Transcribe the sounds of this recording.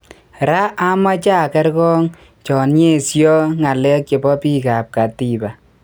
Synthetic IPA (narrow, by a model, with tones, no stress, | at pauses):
ɾa˦ʔa˦ma˦t͡ʃa˦˨kɛ˦ɾkɔ˦ŋ | t͡ʃɔ˨nɲe˦˨sjɔ˦ŋa˨lɛ˦k̚t͡ʃe˨bɔ˦pi˦ka˨p̚ka˨ti˨ba˨